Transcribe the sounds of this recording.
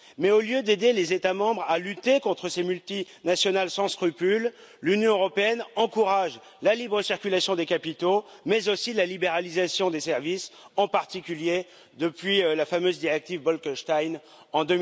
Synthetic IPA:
mɛoljød̪ed̪elezet̪amɑ̃bʁalyt̪ekɔ̃t̪χəsemylt̪inasjɔnalsɑ̃skχypylː | ynjɔ̃øʁɔpeɛnɑ̃kuʁaʒ | lalibʁəsiʁkʲylasjɔ̃d̪ekapit̪o | mɛzosilalibeʁalizasjɔ̃d̪esɛʁvisɑ̃paʁt̪ikʲylje | d̪əpɥilafamøzd̪iʁɛk̚t̪ivbɔlkɔʃt̪ajn | ɑ̃d̪ə

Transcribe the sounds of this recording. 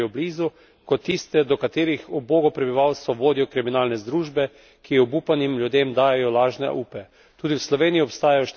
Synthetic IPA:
jɔbliːzu | kɔt̪ːist̪ɛd̪ɔkat̪eːɾixɔboːɡɔpɾɛbiʋawst̪ʋɔʋoːd̪ijɔkɾiminaːlnɛzd̪ɾuːʒbɛ | kiɔbuːpanimljud̪emd̪aːjajɔlaːʒnɛ̰ʔuːpɛ | t̪uːd̪iwslɔʋeːnijiɔpst̪aːjajɔʃt̪

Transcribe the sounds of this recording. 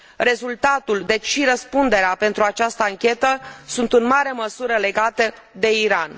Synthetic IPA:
re̞zult̪at̪uld̪e̞t͡ʃʲʃiɾəspund̪e̞ɾeape̞nt̪ɾuat͡ʃast̪əaŋkʲe̞t̪əsunt̪ɨnmaɾe̞məsuɾəle̞ɡat̪ə | d̪e̞iɾan

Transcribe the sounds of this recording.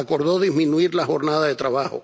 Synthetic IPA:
ako̞ɾðo̞ðizmĩnuiɾlaxo̞ɾnaðaðe̞t̪ɾaβaho̞̰

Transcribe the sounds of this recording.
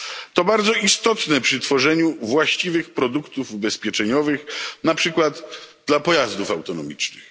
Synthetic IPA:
t̪ɔbaɾd̪zɔist̪ɔt̪nɛpʂɘt̪fɔʐɛɲuvwaɕt͡ɕivɘxpɾɔd̪ukt̪ufubɛspʲjɛt͡ʂɛɲɔvɘxnapʂɘkwad̪d̪lapɔjazd̪ufawt̪ɔnɔmʲḭt͡ʂnɘ̰x

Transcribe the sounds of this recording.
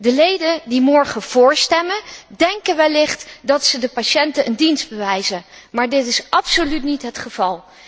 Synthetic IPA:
dəlejdəndimɔɹχəv̥ʊːɹstɛməndɛŋkəʋɛlɪχtdɑtsədəpaʃɛntənʔəndinzd̚bəʋɛjzənmaːɹdɪtɪsʔɑpsolytnitɦətχəv̥ɑlˠ

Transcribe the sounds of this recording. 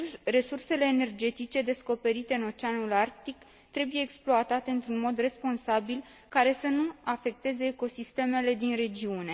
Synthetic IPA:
re̞surse̞le̞ːne̞rd͡ʒe̞t̪it͡ʃe̞d̪e̞sko̞pe̞ɾit̪e̞ɨno̞t͡ʃeanulark̚t̪ik | t̪ɾe̞buje̞ːksploat̪at̪e̞ɨnt̪ɾunmo̞d̪re̞spo̞nsabil | kaɾe̞sənuafe̞k̚t̪e̞ze̞ːko̞sist̪e̞me̞le̞d̪inre̞d͡ʒiune̞

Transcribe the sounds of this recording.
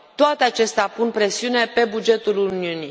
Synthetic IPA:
t̪oat̪eat͡ʃe̞st̪eapunpɾe̞siune̞pe̞bud͡ʒe̞t̪uluniuni

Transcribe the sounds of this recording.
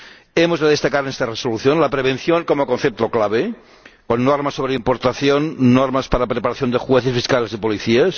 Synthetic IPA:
emozðeðest̪akaɾenest̪aresoluθjonlapɾeβ̞en̟θjoŋkomokon̟θep̚t̪oklaβ̞e | konːoɾmasoβɾeimpoɾt̪aθjonːoɾmaspaɾapɾepaɾaθjond̪exweθesfiskalezipoliθias

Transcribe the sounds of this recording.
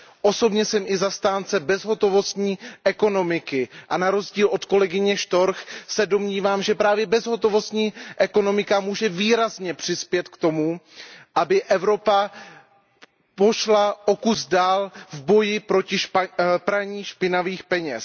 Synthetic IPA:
ʔo̞so̞bɲɛsɛmʔɪzast̪aːnt͡sɛbɛzɦo̞t̪o̞vo̞st̪ɲiːʔɛko̞no̞mɪkɪʔanaɾo̞zɟiːlʔo̞t̪ko̞lɛɡɪɲɛʃt̪o̞ɾxsɛdo̞mɲiːvaːmʒɛpɾaːvjɛbɛzɦo̞t̪o̞vo̞st̪ɲiːʔɛko̞no̞mɪkamuːʒɛviːɾazɲɛpr̝̥ɪspjɛt̪kt̪o̞muʔabɪʔɛvɾo̞pa | po̞ʃlaʔo̞kuzdaːlvbo̞jɪpɾocɪʃpɾaɲiːʃpɪnaviːxpɛɲɛs

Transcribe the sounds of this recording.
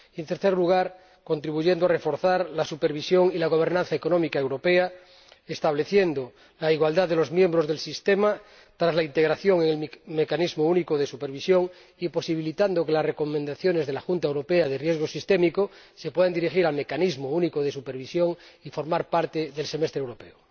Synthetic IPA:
ie̞nt̪eɾθeɾluɣ̞aɾ | ko̞nt̪ɾiβuʝend̪oare̞fo̞ɾθaɾlasupeɾβisjo̞ŋilaɣ̞o̞β̞e̞ɾnãnθaeko̞nõmikaewɾo̞pe̞a | est̪aβle̞θje̞nd̪o | laiɣwald̪aððelo̞zmjẽ̞mbɾo̞zðe̞lsist̪ema | t̪ɾazlaint̪e̞ɣ̞ɾaθjoŋeŋelme̞kanizmounikoð̞e̞supeɾβ̞isjoŋ | ipo̞siβ̞ilit̪and̪oke̞lasre̞komẽnd̪aθjo̞ne̞zð̞e̞laxunt̪aewɾo̞peað̞erjezɣ̞osist̪emikose̞pwe̞ðend̪iɾixiɾalme̞kanizmounikoð̞e̞supeɾβ̞isjo̞ŋifo̞ɾmaɾpaɾt̪eðelsemest̪ɾewɾo̞pe̞o

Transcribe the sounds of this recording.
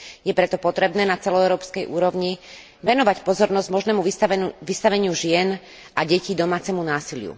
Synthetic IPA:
jɛpɾɛt̪ɔpɔt̪ɾɛbnɛːnat͡sɛlɔɛʊɾɔːpskɛjʔuːɾɔʋɲi | ʋɛnɔʋacpɔzɔɾnɔzɟmɔʒnɛːmuiʋist̪aʋɛɲɪuʒɪɛn | ʔaɟɛciːd̪ɔmaːt͡sɛmunaːsilɪṵ

